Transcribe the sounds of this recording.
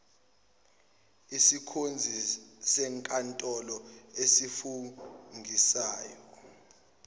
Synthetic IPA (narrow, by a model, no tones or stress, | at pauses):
isikʰond͡zʱisɛŋkʼantʼɔlɔesifuŋɡʱisaːjɔ